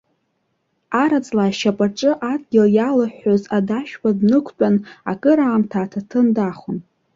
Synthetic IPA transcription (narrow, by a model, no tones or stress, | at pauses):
aɾat͡sʼlaːʃapʼaʈ͡ʂʼɨʔad̚ɡʲɪljalaħːozadaʃᶣwadnɨkʷʰt͡pʼana̰kʼɨɾaːmtʰaːtʰatʰɨndaχʊn